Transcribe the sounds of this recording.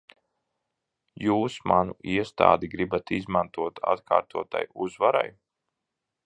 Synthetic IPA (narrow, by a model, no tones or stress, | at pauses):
juːsmanuiɛst̪a̰ːd̪iɡɾibat̪izmant̪uɔt̪ʰa̰t̪kʰa̰ːɾt̪uɔt̪a̰juzvaɾa̰j